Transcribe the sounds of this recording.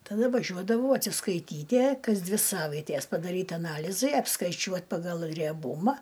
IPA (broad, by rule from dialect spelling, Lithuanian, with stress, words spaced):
tɐˈdɐ ʋɐˈʒʲuɔdɐʋɐʊ ɐtʲsʲɪskɐɪˈtʲiːtʲiɛ ˈkɐs ˈdʲʋʲɪ ˈsɑːʋɐɪtʲeːs pɐdɐˈrʲiːt ɐˈnɑːlʲɪzɐɪ ɐpskɐɪˈt͡ʃʲuɔt pɐɡɐlˠ rʲiɛˈbʊmɐ